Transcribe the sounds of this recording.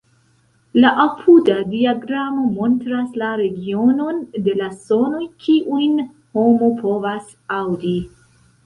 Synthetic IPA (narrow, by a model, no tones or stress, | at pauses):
laʔapʰudadiaɡɾamo̞mo̞ntɾaslaɾe̞ɡio̞no̞nde̞laso̞no̞jkʰiʔujn | ho̞mopʰo̞vas | awdi